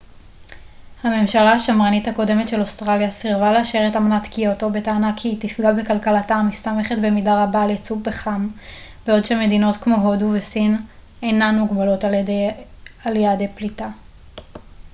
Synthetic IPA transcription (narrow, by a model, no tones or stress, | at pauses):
hame̞mʃalaaʃamʁanithako̞de̞me̞tʃe̞lo̞stʁaljasiʁvaleaʃeʁetamnatkioto̞be̞taːnakʰitifɡalbekalkalatamist̪ame̞χetbe̞midaʁabaːljet͡sufbeχam | beo̞dʃeme̞dino̞tkmo̞ɦo̞duvesin | e̞jnanmuɡbalo̞tald | alijadeplita